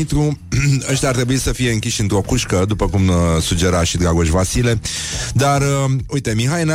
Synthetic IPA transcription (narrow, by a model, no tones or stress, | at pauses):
it̪ɾuəʃt̪ʲaːrt̪ɾe̞buisəfije̞ɨŋkʲiʃɨnt̪ɾo̞kuʃkəd̪upəkumsud͡ʒe̞ɾaʃid̪ɡaɡoʃvasile̞d̪arəujt̪e̞miɦajna